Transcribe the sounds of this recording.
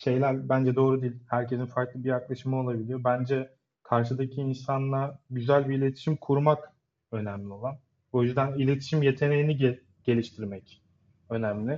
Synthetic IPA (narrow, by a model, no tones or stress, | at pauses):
ʃe̞jlʲæɾbænd͡ʒɛd̪o̞ːɾud̪ijːlʲhæɾcʰe̞sinfaɾklˠɯbijaklˠaʃɯmɯo̞lˠabilʲijo̞bænd͡ʒɛ | kʰaɾʃ̬ɯd̪acʰiːnsanlˠaɟyzælʲbiːlʲe̞t̪ʰi̥ʃimkʰuɾmak | ø̞næmlʲio̞lˠan | o̞jyzd̪ænilʲe̞t̪ʰi̥ʃimje̞t̪ʰe̞ne̞jiniɟ | ɟ̥e̞lʲiʃt̪ʰiɾmɛc | ø̞næmlʲɪ